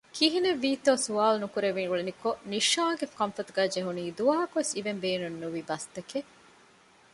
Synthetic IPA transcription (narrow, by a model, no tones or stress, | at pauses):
kiɦineʋːiːt̪oːsuaːlnukuɾeʋiŋɡuɭenikoniʃaːɡefkɐ̃mfɐt̪uɡæːd͡ʒeɦuniːd̪uʋaːɦɐkuʋesiʋembeːnunːuʋibɐst̪ɐke